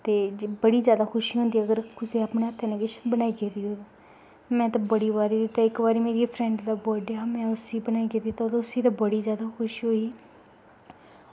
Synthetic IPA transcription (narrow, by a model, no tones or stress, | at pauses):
t̪eːd͡ʒbəɽiːzjaːd̪aːkʰʊʃiːɦõnd̪iːəɡəɾkʊseːaːpɳeːɦaːt̪ʰːeːnẽːɡɪʃbənaːiːɡeːd̪iːɦoːd̪ | mɛ̃ːt̪ãːbəɽiːbaːɾiːd̪it̪aːɪkbaːɾiːmeːɾiːpʰɾɛ̃ɳɖd̪aːbɔːɖjaːmɛ̃ːʊsiːbənaːiːɡeːd̪iːt̪ad̪ʊsiːt̪ãːbəɽiːzjaːd̪aːkʰʊʃiɦoːiː